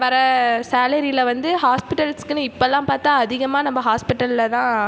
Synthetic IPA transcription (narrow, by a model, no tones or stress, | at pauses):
ʋɐɾɐsaːlɐɾilɐʋɐnd̪ɯɦaːspɪʈːɐlskɯnɯ̃ɪpːoɛlːãːpaːɾt̪aːɐðɪɣɐmaːnɐmːɐɦaːspɪʈːɐlɪlɐt̪ãː